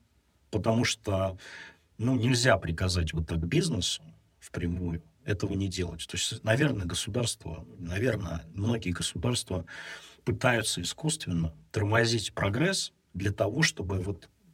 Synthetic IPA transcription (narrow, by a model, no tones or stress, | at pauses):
pət̪ɐmuʂt̪o | nunʲɪlʲzʲapɾʲɪkɐzatʲvot̪ːaɡbʲiznəsʊ̥ | fpɾʲɪmujʊ | ɛt̪əvənʲɪdʲelˠətʲt̪o̞ɪsʲtʲnɐvʲe̞rnəəɡəsʊd̪arst̪və̰nɐvʲe̞rnəəmno̞ɡʲɪəɡəsʊd̪arst̪vəpɨt̪ajʊt̪səɪskust̪vʲɪnːət̪ərmɐzʲitʲpɾɐɡɾɛs | d̪lʲət̪ɐvo̞ʂt̪o̞bɨvo̞t̪